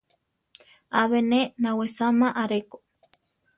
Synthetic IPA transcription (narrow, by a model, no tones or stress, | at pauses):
aβenenãwesamãʔaɾeko